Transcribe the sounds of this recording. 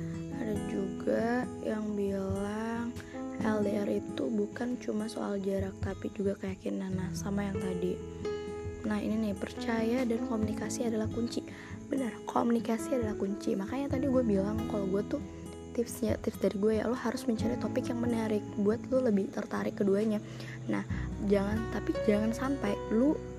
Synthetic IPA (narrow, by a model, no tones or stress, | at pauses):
adad͡ʒuɡajaŋbilaŋʔɛldeɛrit̪ubukant͡ʃumaso̰ʔa̰ld͡ʒaɾak̚t̪apid͡ʒuɡakəjakinanːahsamajaŋt̪adi | nahḭninɪhpərt͡ʃajadankomunikasiadalahkuɲt͡ʃi | bənərkʰo̰munikasiadalahkuɲt͡ʃḭmakaɲat̪adiɡuabilaŋkaloɡuat̪u | t̪ɪfɲa̰t̪ɪfdaɾiɡuaja̰lʊhaɾʊsməɲt͡ʃaɾat̪opɪkjaŋmənaɾɪk̚buat̪̚luləbɪht̪ərt̪aɾɪkːəduaɲa | na̰hd͡ʒaŋant̪apid͡ʒaŋansampajlʊ